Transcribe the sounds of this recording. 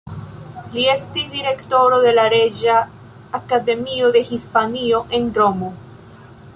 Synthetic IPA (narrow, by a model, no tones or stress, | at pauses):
lie̞stisdiɾe̞kto̞ɾo̞de̞laɾe̞d͡ʒaː | kade̞mio̞d̪e̞hispanio̞ʔe̞nro̞mo̞